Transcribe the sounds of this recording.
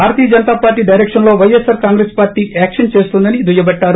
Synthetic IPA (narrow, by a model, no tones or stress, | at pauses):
bʱaːɾɐt̪iːjɐd͡ʒɐnɐt̪aːpaːɾʈːiːɖɐjɾekʂɐnlo̞ːʋɐjesɐɾkaːŋɡɾespaːɾʈiːʔaːkʂɐnt͡ʃe̞ːst̪und̪ɐnid̪ujɐbɐʈːaːɾu